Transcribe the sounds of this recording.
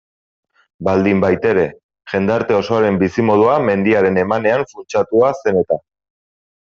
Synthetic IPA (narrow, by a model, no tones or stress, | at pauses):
bald̪imbajt̪e̞ɾe̞ | ʝe̞nd̪aɾt̪e̞o̞so̞aɾe̞mbisimo̞ð̞uame̞nd̪iaɾe̞ne̞mane̞aɱfunt͡ʃat̪uase̞ne̞t̪a